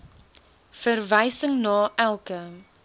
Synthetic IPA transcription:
fərvɛjsəŋnɑːʔælˠkə

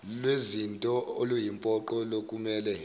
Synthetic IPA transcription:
lwezintʼɔolujimpʼɔǃɔlokʼumɛːlɛ

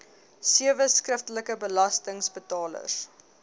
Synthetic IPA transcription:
siəvəskrəftələkəbəlɐstəŋsbətɑːlə̰s

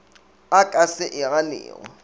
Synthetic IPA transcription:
akʼasɪʔɪɣalɪ̰ːɣɔ̰

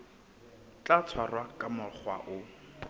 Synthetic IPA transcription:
t͡ɬat͡sʰwarwakʼamʊχwa̰ʔʊ

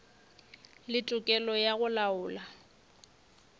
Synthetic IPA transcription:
lɪtʼʊkʼɛlɔjaɣʊlaʊːla

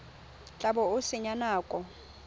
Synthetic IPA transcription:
t͡ɬʼaɓɔusiɲanaːkʼɔ

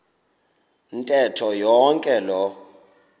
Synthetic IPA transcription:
ntʼɛtʰɔjɔŋkʼɛlɔ

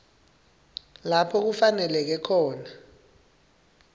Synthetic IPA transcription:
lapʰɔk̬ufanɛlɛk̬ɛkʰɔːna

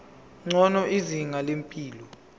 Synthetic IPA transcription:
ŋ͡ǀɔnɔʔiziŋalempʼiːlɔ

